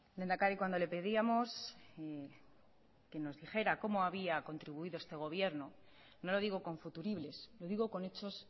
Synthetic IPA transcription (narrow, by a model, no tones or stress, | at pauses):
d̪end̪akaɾikwand̪o̞le̞pe̞ðiamo̞s | ke̞no̞zðixe̞ɾako̞mo̞aβiako̞nt̪ɾiβuiðo̞e̞st̪e̞ɣ̞o̞β̞je̞ɾno | no̞lo̞ðiɣo̞ko̞ɱfut̪uɾiβle̞slo̞ðiɣo̞ko̞ne̞t͡ʃo̞s